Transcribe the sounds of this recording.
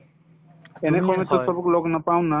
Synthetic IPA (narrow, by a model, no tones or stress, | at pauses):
enekɔmet̪esɔbukloɡnəpaw̃nːa